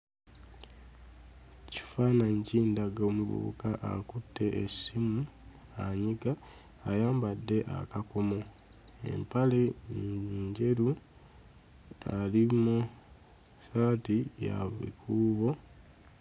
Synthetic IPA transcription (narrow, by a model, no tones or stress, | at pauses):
ci̥faːnaɲciːndaɡoːmuβṵṵkaʔakutʰːe̞ʔesimu | aɲiɡaː | jaːmbadːe̞ʔa̰kako̞mo̞ | ḛmpale̞ | ɲɟe̞ɾu | alimu | saːtija̰βḭkuːβo̞